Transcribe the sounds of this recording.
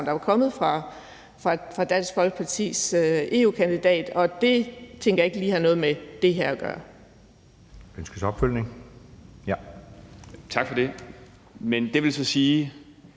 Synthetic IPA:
ndɑʋɑ̈kʰɒ̽mð̩ˠfʁɑ̈ | fʁɑ̈fʁɑ̈d̥æn̰sɡ̥fɒ̽l̰ɡ̥ə̥pʰɑ̈t͡sʰḭːsøe̝̰ːṵːkʰænd̥id̥ɛ̰ːd̥ɒ̽d̥e̝t͡sʰeŋɡ̥ɐjɑ̈e̝ɡ̥əliːhɑ̈nɔ̽ːðˠmed̥e̝ɦæɐ̰ɒɡ̥ɶ̰ːɐ | ønsɡ̥əsɒ̽b̥føl̰neŋ | jæ | t͡sʰɑ̈ɡ̥fɒd̥e̝ | mend̥e̝ʋe̝lsɒ̽siː

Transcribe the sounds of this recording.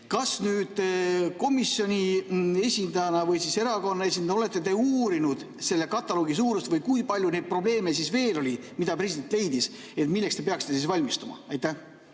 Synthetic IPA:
kɑsnyːd̪̥ko̞misjo̞nʲie̞sʲind̪ɑjɑnɑvɤjsise̞ɾɑko̞nːɑe̞s̬ʲinɑo̞le̞t̪ˑːe̞t̪e̞uːɾinud̪̥ | se̞lːe̞kɑt̪ːˑɑlo̞ːɡisuːɾust̪vɤjkujpɑlʲjune̞jd̪̚pro̞ble̞ːmesisve̞ːlo̞lʲimid̪̥ɑpre̞sid̪e̞nt̪le̞jd̪̥is | e̞t̪milːekst̪e̞pe̞ɑksi̥t̪esisvɑlʲmist̪umɑ̰ɑjt̪ːˑæ

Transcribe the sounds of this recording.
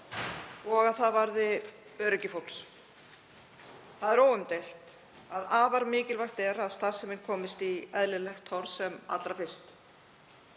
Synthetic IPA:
ɔɣaðθavaɾðɪ | œːɾʏcɪfowls | θaðɛɾowʏmt̪ejl̥t̪ | aðaːvaɾmɪːcɪlvajxt̪ɛɾaðst̪ḁsɪmɪnkʰɔːmɪst̪iɛðlɪlɛxt̪ʰːɔɾsɛma̰t̪lɾafɪ̥st̪

